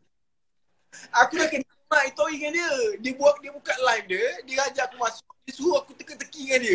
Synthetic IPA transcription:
akudakənamãʔit̪oiŋandiədiəbuak̚diəbukat̪̚laifdədiɾad͡ʒakumasʊk̚disuɦuakut̪əkət̪əkiŋandiə

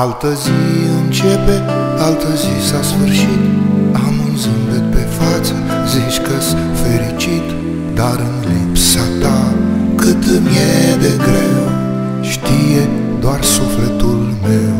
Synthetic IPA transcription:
alt̪əziɨnt͡ʃe̞pe̞ | alt̪əzisasfɨrʃit̪amunzɨnb̪et̪̚pe̞fat̪sə | zit͡ʃʲkəs | feɾit͡ʃit̪ | d̪aɾɨnlipsat̪akɨt̪mijed̪e̞ɡɾew | ʃt̪ije̞ | d̪oarsuflet̪ul | me̞w

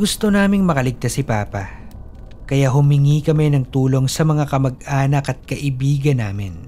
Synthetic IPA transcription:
ɡʊst̪onaːmɪŋmɐkɐlɪɡ̚t̪asːɪpaːpɐ | kɐjaɦʊmɪŋiːkɐmajnɐŋt̪uːlo̞ŋsɐmɐŋakɐmɐɡ̚ʔaːnɐkɐt̪̚kɐʔɪbiːɡɐnːaːmɪn

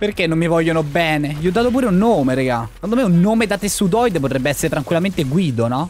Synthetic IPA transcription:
perk̟enːomːivɔʎːonobɛːneviːɔd̪ːaːt̪op̬uːɾeunːoːmeɾeɡakand̪omeunːoːmed̪at̪estːut̪̬ɔjd̪ep̬ot̪ɾɛbːeɛsːeɾet̪ɾaŋkwilːament̪eɡwiːd̪onɔ

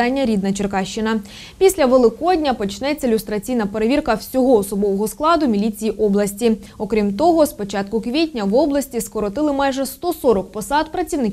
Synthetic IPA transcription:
ɑnʲːɐɾʲid̪nɐt͡ʃerkɑʃt͡ʃːɪnɐ | pʲisʲlʲɐʋelˠɪkɔdʲnʲɐpɔt͡ʃnɛt͡sʲːɐɪlʲʊst̪ɾɐt͡sʲijnɐpe̞ɾeʋʲirkɐwsʲɔɦɔːsɔbɔʋɔɦɔsklˠɑd̪ʊmʲilʲit͡sʲijiʔɔblˠɐsʲtʲi | ɔkɾʲimt̪ɔɦɔspɔt͡ʃɑt̪kʊkʋʲitʲnʲɐwɔblˠɐsʲtʲiskɔɾɔt̪ɪlˠɪmɑjʐɛst̪ɔsɔɾɔkpɔsɑd̪pɾɐt͡sʲiwnɪkʲ

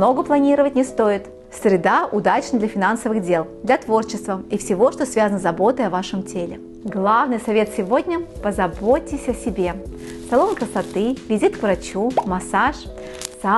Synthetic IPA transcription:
no̞ɡəplˠɐnʲiɾəvətʲnʲɪst̪o̞ɪt̪ | sɾʲɪd̪aʊd̪at͡ɕnəd̪lʲɐfʲɪnansəvɨɣdʲe̞lˠd̪lʲɐt̪vo̞rt͡ɕɪst̪vəifsʲɪvo̞ʂt̪o̞svʲazənəzɐbo̞t̪əjɐvaʂɨmtʲelʲɪ | ɡlˠavnɨjsɐvʲe̞t̪sʲɪvo̞dʲnʲəpəzɐbotʲːɪsʲɐsʲɪbʲe̞sɐlˠo̞nkɾəsɐt̪ɨvʲɪzʲit̪kvɾɐt͡ɕumɐsaʂ | sa

